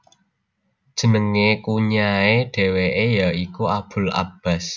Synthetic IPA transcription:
d̥ʒ̥ə̤nəŋekuɲaeɖ̥e̤weʔejaikuab̥ʊ̤la̰b̥a̤s

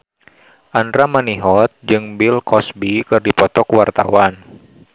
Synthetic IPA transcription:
ʔandɾamaniɦɔt̪̚d͡ʒɨŋbilkʰɔsbikɨrdipɔt̪ɔkwart̪a̰wan

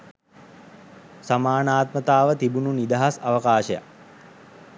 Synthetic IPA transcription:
samaːnaːt̪mət̪aːʋət̪ibununid̪aɦasaʋəkaːʃəja̰k

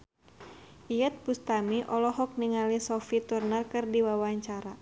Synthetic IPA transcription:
ʔijɛt̪̚pust̪amiʔɔlɔɦɔk̚niŋalisɔfit̪urnərkɨrdiwawaɲt͡ʃaɾa

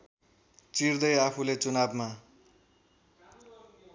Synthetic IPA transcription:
t͡sird̪ʌjapʰulet͡sunabma

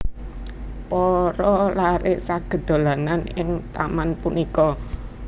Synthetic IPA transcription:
pɔɾɔlaɾɪʔsaɡ̥ə̤d̪̥o̤lananɪŋt̪a̰manpunikɔ

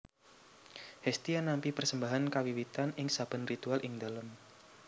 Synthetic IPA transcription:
hɛst̪ianampipərsəmbaɦankawiwit̪anɪŋsab̥ə̤nrit̪ualʔɪŋd̪alam

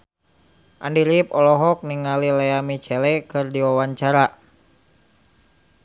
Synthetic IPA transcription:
ʔa̰ndiɾipɔlɔɦɔk̚niŋalilɛamit͡ʃɛlɛkɨrdiwawaɲt͡ʃaɾa

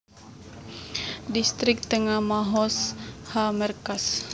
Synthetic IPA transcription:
dist̪ɾik̚t̪əŋamaɦɔshamərkas

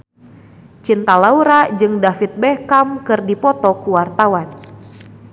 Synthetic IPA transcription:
t͡ʃint̪alauɾad͡ʒɨŋdafit̪̚bɛhkamkɨrdipɔt̪ɔkuwart̪awan

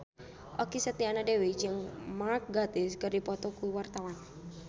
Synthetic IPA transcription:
ʔɔkisət̪ianadewid͡ʒɨŋmark̚ɡat̪ɪskərdipɔt̪ɔkuiwart̪awan

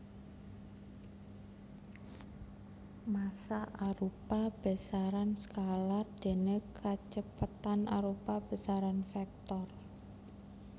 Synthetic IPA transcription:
masaʔaɾupab̥ə̤saɾansəkalard̪̥e̤nekʰat͡ʃəpət̪anʔa̰ɾupab̥ə̤saɾanfɛk̚t̪ɔr

